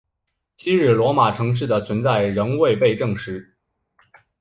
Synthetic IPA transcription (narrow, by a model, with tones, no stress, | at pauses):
t͡ɕʰi˥ɻɻ̩˥˩lwɔ˧˥ma˨˩ʈ͡ʂʰɤ˧˥ŋʂ̬ɻ̩˥˩d̪ə˩t͡sʰwə˧˥nt͡sa˥˩ɪɻə˧˥ŋwe˥˧ɪpe˥˧ɪʈ͡ʂɤ˥˩ŋʂɻ̩˧˥